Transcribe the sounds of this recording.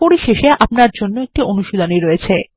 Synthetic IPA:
poɾiʃeʃeʔap̚naɾd͡ʑonːoek̚ʈionuʃod̪ʱoniɾojet͡ɕʰe

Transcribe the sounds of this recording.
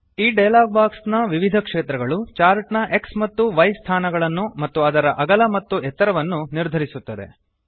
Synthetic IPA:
iːɖejlaːɡbaːksnɐʋiʋid̪ʱɐkʂeːt̪ɾɐɡɐɭut͡ʃaːɾʈnɐʔe̞ksmɐt̪ːuʋɐjst̪ʰaːnɐɡɐɭɐnːumɐt̪ːuɐd̪ɐɾɐʔɐɡɐlɐmɐt̪ːuɛt̪ːɐɾɐʋɐnːuniɾd̪ʱɐɾisut̪ːɐd̪e̞̰

